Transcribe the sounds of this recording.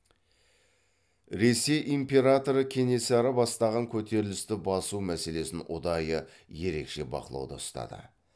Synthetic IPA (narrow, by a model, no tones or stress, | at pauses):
ɾe̞se̞jʔimpʲe̞ɾat̪o̞ɾəkʲʰe̞ne̞sæɾəbɑst̪ɑʁɑŋkʲʰɵt̪e̞ɾɪlɪst̪ɪbɑsumæse̞le̞sɪnʊd̪ɑjə | je̞ɾe̞kʃe̞bɑ̰qəlˠɑ̰wd̪əəst̪ɑ̰d̪ə̰